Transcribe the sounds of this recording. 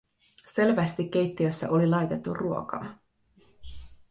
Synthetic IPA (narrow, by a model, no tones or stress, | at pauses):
se̞lʋæst̪ik̟ːe̞jt̪ːiøsːæ̰ʔo̞lilɑjt̪e̞t̪ːṵrruo̞kɑ̰ː